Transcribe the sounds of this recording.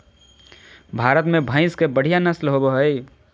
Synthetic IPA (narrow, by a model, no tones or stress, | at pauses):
bʱaɾət̪mebʱə̃ɪ̃skebəɽ̤ijanəslɦobeɦəj